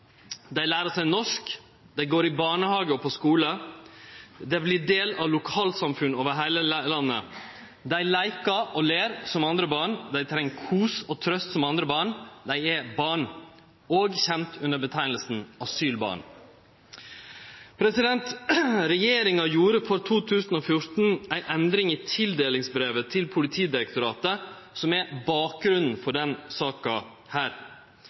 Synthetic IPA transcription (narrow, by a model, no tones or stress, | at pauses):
d̪æɪlæːɾəsæɪnɔʂk | d̪æɪɡoːɾɪbɑːɳəhɑːɡəɔpʰɔskuːlə | d̪ɛʋɪlɪɖeːlɑʋlʊkʰɑːlsɑmfʉnoːʋəɾɦæɪləlɑnːə̰ | d̪æɪlæɪkɑʔɔleːɾsɔmɑnd̪ɾəbɑːɳd̪æɪt̪ʰɾɛŋːkʰuːsɔt̪ʰɾœst̪sɔmɑnd̪ɾəbɑːɳd̪æɪɛbɑːɳ | oːɡçɛmt̪ʰʉnəbət̪ʰæɪnəl̩sn̩ɑsyːlbɑ̰ːɳ | pʰɾɛsɪd̪ɛnt̪ɾɛjeːɾɪŋɑjuːɾəfɔɾt̪ʰuːt̪ʰʉːsən̩oːfjʊɾt̪n̩æɪnʔɛnd̪ɾɪŋiːt̪ʰɪld̪eːlɪŋsbɾeːʋət̪ʰɪlpʰʊlɪt̪ʰiːd̪ɪɾək̚t̪ʊɾɑːt̪ə | sɔmɛbɑːk̚ɡɾʉnn̩fɔɖɛnsɑːkɑ | hæːɾ